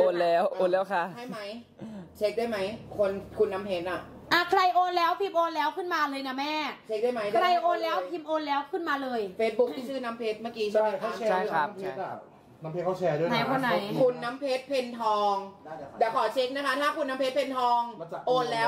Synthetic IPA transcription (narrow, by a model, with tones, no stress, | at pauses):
ʔoː˧nlɛː˦˥woː˧lɛː˦˥ka˧˩ha˥˩jma˦˥j | t͡ɕʰe˦˥k̚daː˥˩jma˦˥jkʰo˧nkʰu˧nːa˦˥mpʰeː˦˥t̪̚ʔa˨˩ | ʔaː˧˩kʰla˧jʔoː˧nlɛː˦˥wpʰi˧˩m̚ʔoː˧nlɛː˦˥wkʰɯ˥˩nmaː˧lɤː˧jna˦˧˥mɛː˥˩t͡ɕʰe˧˦˥k̚daː˥˩jma˦˥jkʰɾa˧jʔoː˧nlɛː˦˥wpʰi˧m̚ʔoː˧nlɛː˦˥wkʰɯ˥˩nmaː˧lɤː˧jfeː˦˥t̪̚bu˦˥k̪̚ʰiː˥˩sʰɯː˥˩na˦˥mpʰeː˦˥t̪̚maː˥˩kiː˧t͡ɕʰaa˥˦a˧˨˩aː˥˩˧a˥˩˧pʰe˦˥˧ | na˦mpʰe˦kʰa˥˩ɛː˧du˥˩˨ɛ˧kʰɔ˧˥˩na˨˧jkʰu˧nːa˦˥mpʰe˦˥t̪̚pʰe˧nt̪ʰɔː˧ŋdɛː˨˩kʰɔː˨˩˦t͡ɕʰe˦˥k̚na˦˥kʰa˦˥t̪ʰaː˥˩kʰu˧nːa˦˥mpʰe˦˥pʰe˧nt̪ʰɔː˧ŋʔoː˧nlɛː˦˥w